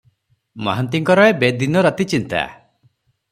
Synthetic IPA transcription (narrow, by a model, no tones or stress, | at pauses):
maɦant̪iŋkɔɾɔebed̪inɔɾat̪it͡ʃint̪a̰